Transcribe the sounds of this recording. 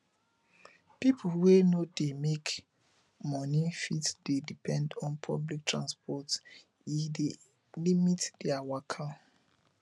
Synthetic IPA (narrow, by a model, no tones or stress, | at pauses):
pipʰlwenodemek | mɔnifitd̥edipʰɛ̃ndɔ̃npʰɔblik̚tʰɹãnspɔt | ide | limitd̥ɛawakʰa